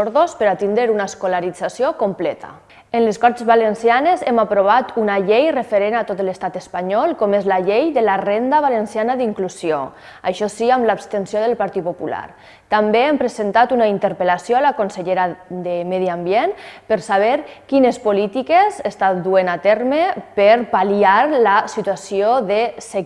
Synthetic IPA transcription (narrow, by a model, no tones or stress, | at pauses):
oɾðospəɾat̪ind̪ɾeɾunaeskolaɾid͡zasjokomplɛt̪ʰa̰ | enleskɔɾt̪ezβalensjanezemapɾoβ̞at̪unaʎejrefeɾenat̪ot̪əlest̪at̪əspaɲɔlˠkɔmezlaʎejðəlarend̪aβalensianaðiŋkluzio | a̰ʃɔsiamlapst̪ensjoðəlpaɾt̪it̪̚popula̰ɾ | t̪ambeempɾezent̪at̪unaint̪əɾpəlasjoalakonseʎeɾaðemɛðiambjenpəɾsaβ̞eɾkinespolit̪ikezest̪at̪d̪uenat̪ɛɾmepəɾpaliaɾlasit̪uasijoðese